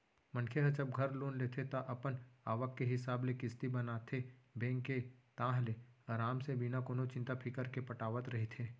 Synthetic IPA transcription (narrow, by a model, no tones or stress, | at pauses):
mɐ̃nkʰeɦɐd͡ʒɐb̚ɡʱɐɾloːnlet̪ʰet̪aʔɐpənaːʋəkːeɦɪsaːblekɪst̪ibɐnaːt̪ʰebẽːŋkːet̪ãːɦleɾaːmsebinakoːnot͡ʃɪ̃nt̪apʰɪkəɾkepɐʈaːʋət̪ɾɐɦet̪ʰeː